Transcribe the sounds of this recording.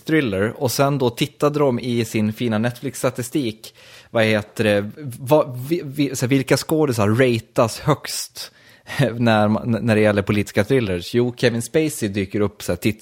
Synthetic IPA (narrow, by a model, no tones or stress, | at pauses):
t̪ɾɪlːəɾɔsɛnd̪ɔt̪ʰɪt̪ːad̪əd̪ɔmɪsɪnfiːnanɛt̪ːflɪkst̪at̪ɪst̪iːkvaheːt̪əɖɛvavɪsɛvɪlkaskoːd̪ɪs̬aɾɛjt̪ashœkst̪ | nænæɖɛjɛlːəɾpʰʊliːt̪ɪ̥skat̪ʰɾɪlːəʂjuːkʰɛvɪnspɛɪsɪd̪yːkəɾɵpːsæːʈʰɪt̪ː